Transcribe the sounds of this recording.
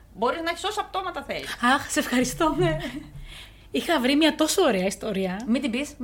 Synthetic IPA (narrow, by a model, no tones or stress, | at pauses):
bo̞ɾiznɐeçi̥so̞sɐft̪o̞mɐt̪ɐθeliɐxse̞fxɐɾist̪oe | ixɐvɾimɲɐt̪o̞sooɾeɐist̪o̞ɾiɐmid̪imbis